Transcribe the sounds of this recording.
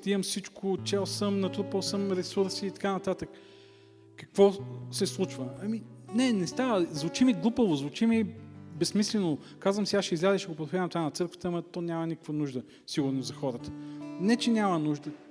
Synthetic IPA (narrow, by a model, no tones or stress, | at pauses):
t̪iəmfsit͡ʃkʰʊt͡ʃɛlˠsəmnɐt̪ɾuposəmɾɛsuɾsiːt̪ɐ̥kanɐt̪at̪ək | kːɐ̥kvɔsɛslˠut͡ʃvəɐminɛnɛst̪avəzvʊt͡ʃimiɡlˠupəvʊzvʊt͡ʃimibɛsmislɛnʊ | kazvəmsiasʃɛizlʲazɛʃɛɡopɾot̪xaɐmt̪vanɐt̪sɤɾkvət̪əːmɐt̪ɔnʲamɐnikə̥kvənuʒd̪ə | siɡʊɾnozzɐxɔɾət̪ə̥nɛt͡ʃɛnʲamənuʒd̪ə